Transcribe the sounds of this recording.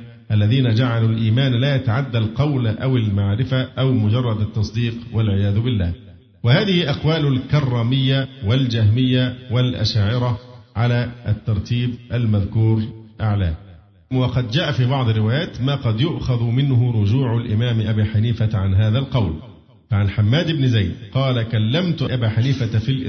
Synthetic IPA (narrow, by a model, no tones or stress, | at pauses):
ʔalːaðiːnad͡ʒaʕalulʔiːmaːnlaːjat̪aʕad̪ːalqɑwlʔawɪlmaʕɾɪfaʔawmʊd͡ʒɑrˤːɑd̪at̪ːɑsˤd̪iːqwalʕɪjaːðʊbɪlːa̰ː | wahaːðɪhɪʔɑqwaːlʊlkɑrˤːɑːmɪjːawald͡ʒahmɪjːawalʔa̰ʃaːʕɪɾɑʕalaːʔat̪ːɑɾˤt̪ʰiːbʔalmaðkuːɾʔaʕla̰ː | wɑqɑd̪d͡ʒaːʔafiːbɑʕd̪ˤɪrːɪwaːjaːt̪maːqɑd̪jʊʔxaðʊmɪnhʊɾˤʊd͡ʒuːʕʊlʔɪmaːmʔabiːħaniːfaʕanɦaːðalqɑwl | faʕanħamːaːd̪ɪbnɪzajd̪qɑːlakalːamt̪ʊʔabaːħaniːfat̪filʔ